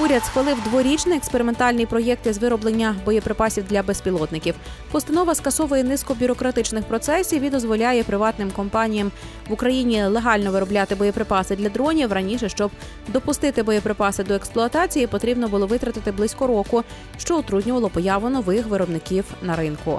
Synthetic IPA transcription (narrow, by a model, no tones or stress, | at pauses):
uɾʲɐd̪sxʋɐlˠɪwd̪ʋɔɾʲit͡ʃnɪekspeɾɪment̪ɑlʲnijpɾɔjɛk̚t̪izʋɪɾɔblˠenʲːɐbɔjɛpɾɪpɑsʲiwd̪lʲɐbespʲilˠɔt̪nɪkʲiw | pɔst̪ɐnɔʋɐskɐsɔʋɐjɛnɪskɔbʲʊɾɔkɾɐt̪ɪt͡ʃnɪxpɾɔt̪sɛsʲijʋʲid̪ɔzʋɔlʲajɛpɾɪʋɑt̪nɪmkɔmpɑnʲijɐm | ʋʊkɾɐjinʲilˠeɦɑlʲnɔʋɪɾɔblʲat̪ɪbɔjɛpɾɪpɑsɪd̪lʲɐd̪ɾɔnʲiwrɐnʲiʃɛʃt͡ʃɔb | d̪ɔpʊst̪ɪt̪ɪbɔjɛpɾɪpɑsɪd̪ɔeksplˠʊɐt̪ɑt͡sʲijipɔt̪ɾʲibnɔbʊlˠɔʋɪt̪ɾɐt̪ɪt̪ɪblˠɪsʲkɔɾɔkʊ | ʃt͡ʃɔʊt̪ɾud̪ʲnʲʊʋɐlˠɔpɔjɑʋʊnɔʋɪxʋɪɾɔbnɪkʲiwnɐɾɪnkʊ